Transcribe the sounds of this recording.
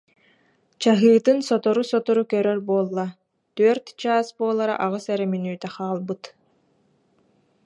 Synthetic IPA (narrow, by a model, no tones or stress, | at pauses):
t͡ɕaɦɯːt̪ɯnsɔt̪ɔɾusɔt̪ɔɾukœɾœɾbuɔːlˠːa | t̪œːɾt̪t͡ɕaːsbuɔlˠaɾa̰ʔaʁɯsɛɾɛmynyːt̪ɛχaːlˠbɯt̪